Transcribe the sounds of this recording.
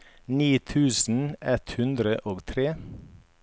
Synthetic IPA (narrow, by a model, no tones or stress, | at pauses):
niːt̪ʰʉːsn̩ɛt̪hʉnd̪ɾəʔoːɡt̪ʰɾeː